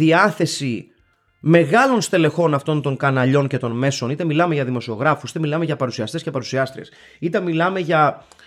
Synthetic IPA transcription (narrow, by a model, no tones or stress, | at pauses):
iɐθe̞si | me̞ɣɐlo̞nst̪e̞le̞xo̞nɐft̪o̞nt̪o̞ŋkɐnɐʎo̞nce̞t̪o̞nme̞so̞nit̪e̞milɐme̞ʝɐðimo̞sio̞ɣɾɐfusi̥t̪emilɐmeʝɐpɐɾusiɐst̪e̞scepɐɾusiɐst̪ɾḛs | it̪e̞milɐme̞ʝɐ